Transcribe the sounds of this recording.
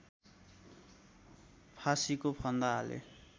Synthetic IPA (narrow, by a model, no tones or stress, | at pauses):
pʰasikopʰʌnd̪aɦalḛ